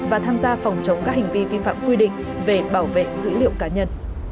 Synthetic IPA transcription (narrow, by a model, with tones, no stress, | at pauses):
vaː˨˩t̪ʰaː˧mzaː˧fa˨˩wŋ͡mt͡ɕə˨˦wŋ͡mkaː˦˥k̚hai˨˩ŋ̟vi˧vi˧fa̰ː˧˨mkwi˧ɗḭ̈˧˨ŋ̟ | ve˨˩ɓaː˧˩wvḛ˧˨zɨ̰˧˥lḭ˧˨ə˨wkaː˨˦ɲə˧n